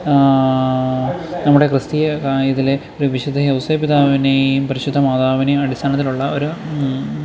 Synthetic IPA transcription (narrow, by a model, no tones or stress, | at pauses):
nɐmːuɽe̞krɨst̪ijɐkajɐðileo̞ɾuʋiɕɐd̪ʱɐɦɐwsɐjpːid̪aːʋinejumpɐɾiɕud̪ʱːɐmaːd̪aːʋineɐɽist̪ʰaːnɐt̪ːiluɭːɐo̞ɾu